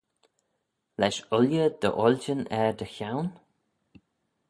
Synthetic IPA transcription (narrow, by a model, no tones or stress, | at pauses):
lɛʃʊljəd̪ə̰ʔɔlʲd͡ʒənɛɹd̪əxawn